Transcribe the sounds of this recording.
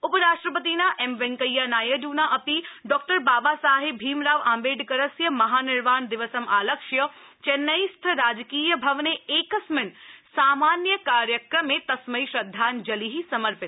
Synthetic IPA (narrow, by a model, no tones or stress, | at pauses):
ʊpəɾaːʃʈɾəpət̪̬inaʔemʋɛ̃ŋkɐjːanaːjɐduːnaʔɐpiɖɔːk̚ʈəɾbaːbasaːɦɪbʱiːmɾaːʋãːmbeːɖkɐɾɐsjɐmɐɦaːnɪɾʋaːnd̪ɪʋəsɐmaːlɐkʃjɐ | t͡ʃenːɐjst̪ʰɾaːd͡ʒkiːjɐbʱɐʋneeːkɐsmɪnsaːmaːnjəkaːɾjəkɾɐmet̪ɐsmɐiʃɾɐd̪ʱːaːnd͡ʒɐliɦisɐmɐɾpɪt̪